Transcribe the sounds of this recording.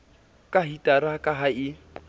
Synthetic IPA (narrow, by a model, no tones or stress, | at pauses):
kʼaɦitʼaɾakʼaɦaɪ